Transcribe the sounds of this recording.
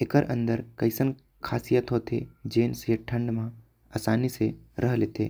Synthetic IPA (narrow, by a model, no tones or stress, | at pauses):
ekəɾʔɐ̰̃nd̪əɾkɐɪsən | kʰaːsijət̪ɦoːt̪ʰḛd͡ʒeːnseʈʰə̃ɳɖmã | aːsaːniseɾʔəɦlet̪ʰḛː